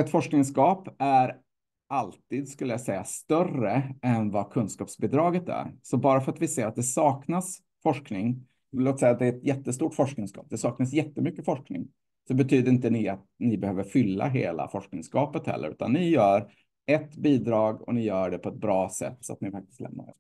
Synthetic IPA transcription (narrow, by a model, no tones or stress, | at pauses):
ɛt̪fɔʂknɪŋskɑːpæɾ | ʔalt̪iːd̪skɵlːəjasɛjːast̪œrəɛnvakʰɵnskɑːpsbid̪ɾɑːɡət̪æ̰ɾsɔbɑːɾafœɾat̪vɪseːɾat̪̚d̪ɛsɑːknas | fɔʂknɪŋ | loːt̪sɛjat̪d̪ɛæɾɛt̪jɛt̪ːəst̪uːʈfɔʂknɪŋskɑ̰ːp̚d̪ɛsɑːknas̬jɛt̪ːəmʏkːəfɔʂknɪ̰ŋ | sɔbɛt̪ʰyːd̪əɾɪnt̪ənɪat̪nɪbɛhøːvəɾfʏlːa̰ɦḛːla̰fɔʂknɪŋskɑːpət̪hɛ̰lːə̰ɾʉ̟ːt̪a̰nːɪjœːɾ | ɛt̪ːbiːd̪ɾɑːɡɔ̰nɪjœːɖɛpʰɔɛt̪̚bɾɑːsɛ̰t̪ːsɔa̰t̪̚nɪfak̚t̪ɪst̪ɛ̰mna̰ɛ̰